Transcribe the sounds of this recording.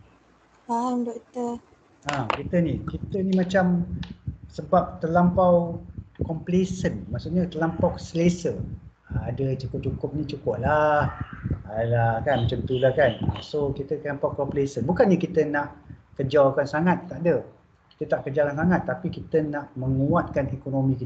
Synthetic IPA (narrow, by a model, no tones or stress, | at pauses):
amdɔʔt̪ə | akit̪ənikit̪ənimat͡ʃam | səbap̚t̪ərlampawkɔmplesənmaʔsuʔɲət̪ərlampawsəlesə | əadət͡ʃukʊp̚t͡ʃukʊp̚nit͡ʃukʊʔ̚lahalakanmat͡ʃant̪ulahkana̰sokit̪əlampawkɔmplesənbukanjakit̪ənaʔkəd͡ʒawkansaŋat̪ːaʔdə | ki̥t̪ət̪aʔkəd͡ʒalansaŋat̪ːapikit̪ənaʔməŋuat̪̚kanekonomĩkit̪ə